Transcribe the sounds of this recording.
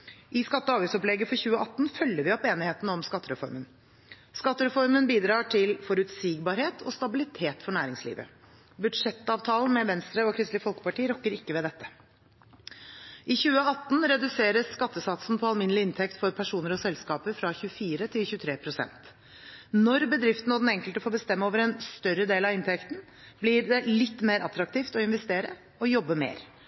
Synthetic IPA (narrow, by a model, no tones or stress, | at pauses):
ʔɪskɑt̪ːəɑːʋɪsɔplɛɡəfɔçʉːəʔɑt̪ːn̩fœlːəɾʋɪɔpeːnɪheːt̪nəɔmskɑt̪ːəɾɛfɔ̰ɾmən | skɑt̪ːəɾɛfɔɾmənbiːd̪ɾɑːʈʰɪlfɔɾʉt̪siːɡbɑːɾheːt̪ʰɔst̪ɑbɪlɪt̪ʰeːt̪fɔɳæːɾɪŋslḭːʋə̰ | bʉd̪ʂɛt̪ːɑːʋt̪ʰɑːln̩mɛʋɛnst̪ɾəɔkʰɾɪst̪lɪfɔlkə̥pɑʈiːəɾɔkːəɾɪkːəʋɛd̪ɛt̪ːə | ʔɪçʉːəɑt̪ːnɾɛd̪ʉseːɾəsːkɑt̪ːəsɑt̪sn̩pʰɔɑlmɪnːlɪɪnt̪ʰɛkt̪fɔɾpʰæʂuːnəɾɔsɛlskɑːpəɾfɾɑçʉːəfiːɾət̪ʰɪlçʉːt̪ʰɾeːpʰɾʊsɛ̰nt̪ | nɔɾbəd̪ɾɪft̪n̩ɔd̪ɛnɛŋkəlt̪əfoːbəst̪ɛmːəoːʋəɾɛnst̪œɾəd̪eːlɑɪnt̪ʰɛkt̪n̩ | blɪd̪ɛlɪt̪ːmeːɾʔɑt̪ːɾɑk̚t̪ʰiːft̪ɔɪnʋɛst̪eːɾə | ɔjɔbːəmḛːɾ